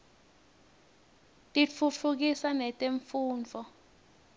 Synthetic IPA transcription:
tʼit͡fʰut͡fʰuk̬isanɛtʼeɱfuːnt͡fɔ

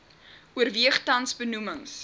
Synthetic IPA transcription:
uərviəχtɐnsbənuməŋs

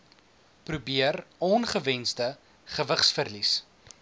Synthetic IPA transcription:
prubiərɔnχəvɛnzdə | χəvəχsfərlis

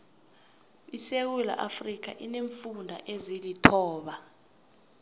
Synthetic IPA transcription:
isek̬ula̰ʔafrik̬ʰa̰ʔineɱfundʱa̰ʔezilitʰɔːɓa

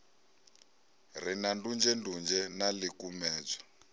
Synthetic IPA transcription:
r̤inandund͡ʒɛndund͡ʒɛnalikumɛːd͡za

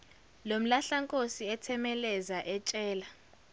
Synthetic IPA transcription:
lom̩laɬaŋkʼosiɛtʰɛmɛlɛzaʔɛt͡ʃʼɛːla

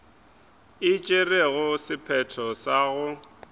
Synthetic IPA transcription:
ɪt͡ʃʼereɣʊsɪpʰɛtʰɔsaːɣʊ

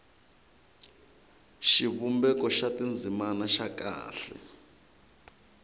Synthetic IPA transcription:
ʃiβumbɛkɔʃatind͡zʱimanaʃaka̰ːɬɛ̰

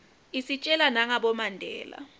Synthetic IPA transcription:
isit͡ʃʼɛlanaŋaɓɔmandʱɛːla̰

